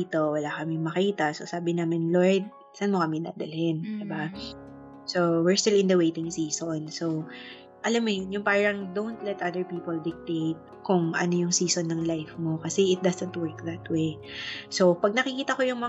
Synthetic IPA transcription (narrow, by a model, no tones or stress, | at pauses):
t̪o̞wɐlakɐmɪŋmɐkiːt̪ɐsosaːbɪnaːmɪnloɹd̪̚ | sɐnmokɐmɛd̪a̰ːd̪ɐlɪnd̪ɪba | sowɪɹst̪ɪlɪ̃nd̪ɐwejt̪ɪŋsiːsonso̞w | ʔɐlamːojnjʊŋpaːɹɐŋd̪ownt̪lɛt̪ʔad̪ɛɹpiːpold̪ɪk̚t̪ejt̪̚kʊŋʔɐ̰no̞jʊŋsiːsonːɐŋlajfmo̞kɐsɛʔɪt̪̚d̪ɐsɛnt̪wɛɹk̚ðɐt̪wejso̞wpɐɡ̚nɐkɪkiːt̪ɐko̞jʊŋmɐ